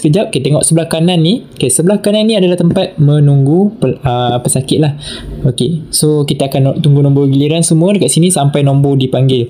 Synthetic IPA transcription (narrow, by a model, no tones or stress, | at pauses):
kəd͡ʒap̚kit̪eŋɔʔsəbəlahkananːikesəbəlahkananːĩadalaht̪əmpat̪̚mə̃nuŋɡuəpəsakɪt̪̚lahokesokit̪aːkant̪uŋɡunɔ̃mboɡiliɾansəmũədəkaʔ̚sinĩsampajnɔ̃mbodipaŋɡɪl